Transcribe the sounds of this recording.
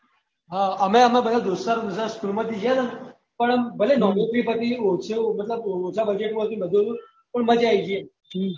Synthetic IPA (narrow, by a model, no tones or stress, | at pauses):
ɦãameamabəlad̪usaɾd̪usaskulməd̪ːid͡ʑana | pəɳbəlenɔmeʈɾiːpət̪iosemət̪ləbot͡sabəd͡ʑeʈmoɭt̪ibəd̪ʱːəlu | pəɳmət̪eajt͡ɕi